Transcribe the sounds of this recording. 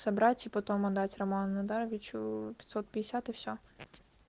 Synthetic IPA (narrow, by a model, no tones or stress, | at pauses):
sɐbɾɑtʲipɔt̪ɔmɐd̪ɑtʲrɐmannɐd̪ɑɾʋʲit͡ʃupʲit̪sɔt̪̚pʲɪd̪ʲesʲat̪ɪwsʲɔ